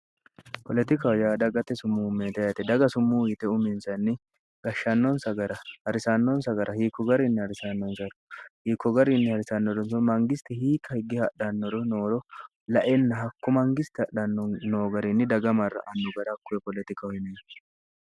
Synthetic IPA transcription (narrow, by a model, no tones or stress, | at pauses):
pɔlɛt̪ɪkɐwjaːd̪ɐɡɐt̪ːɛsʊmːumeːt̪ɛjt̪ɛd̪ɐɡɐsʊmːuːɪt̪ɛʊmɪnsɐnːɪ | ɡ̥ɐʃːɐnːɔnsɐɡɐɾɐhɐɾɪsɐnːɔnsɐɡɐɾɐhiːkːɔɡɐɾɪnːɪhɐɾɪsɐnːɔnsɐɾɔhiːkːɔɡɐɾɪnːɪhɐɾɪsɐnːɔdɔnsɔmɐŋɡɪst̪ɪhiːkʰːɐhɪɡːɪhɐɗɐnːɔɾɔnoːɾɔ | lɐʔɛnːɐɦɐkːʊmɐŋɡɪst̪ɪɐɗɐnːɔnoːɡɐɾɪnːɪd̪ɐɡɐmɐrːɐ̰ʔɐnːʊɡɐɾɐkːʊjɛpɔlɛt̪ɪkɐwhɪneː